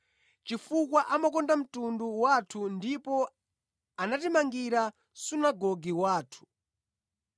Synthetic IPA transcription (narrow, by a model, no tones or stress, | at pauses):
t͡ʃifukwaʔamakɔndam̩tunduwatʰundipɔ | anatimaŋɡiɾa | sunaɡɔɡiwaːtʰu̥